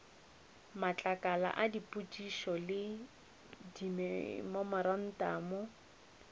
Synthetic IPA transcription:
mat͡ɬʼakʼala̰ʔadipʼut͡ʃʼiʃɔlɪ | dimɛmɔmaɾan̩taːmɔ

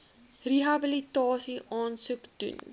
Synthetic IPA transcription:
riɦɐbəlitɑːsiʔɑːnsukd̥ṵn

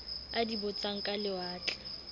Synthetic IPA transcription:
adibʊt͡sʼaŋ̩kʼalɪwaːt͡ɬʼɛ̥

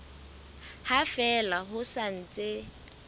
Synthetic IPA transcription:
hafɛlaɦʊsan̩t͡sʼe

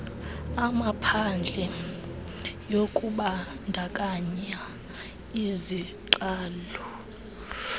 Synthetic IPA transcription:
amapʰand͡ɮʱɛ | jokʼuɓa | ndʱakʼaɲa | iziǃaːlɔ

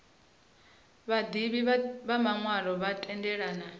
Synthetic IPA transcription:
βad̪iβiβamaŋwaɺɔβatʼɛndɛɺaːna

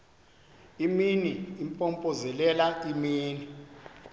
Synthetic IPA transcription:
iminiːmpʼɔmpʼɔzɛlɛlaimiːni

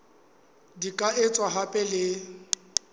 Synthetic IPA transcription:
dikʼaɪt͡sʼwaɦapʼɛlɪ

